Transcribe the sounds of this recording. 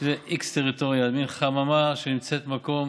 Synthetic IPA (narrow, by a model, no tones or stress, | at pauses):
zeʔikst̪eʁitoʁjalminχamamaʃenimt͡set̪mako̞m